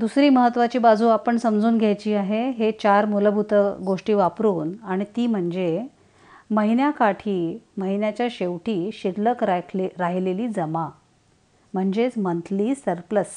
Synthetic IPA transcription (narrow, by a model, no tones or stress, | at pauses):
d̪usɾiːməɦət̪ːʋat͡ɕiːbad͡zʱuːapəɳsəmd͡zuːnɡʱjajt͡ɕiːaɦeɦet͡ɕaɾmuləbʱut̪əɡoʂʈiːʋapɾuːnaɽ̃it̪iːm̤əɳd͡ze | məɦinjakaʈʰiːməɦinjat͡ɕjaɕeʋʈiːɕiɽləkɾɾaɦileliːd͡zəma | m̤əɳd͡ʑet͡smənt̪ʰliːsəɾpləs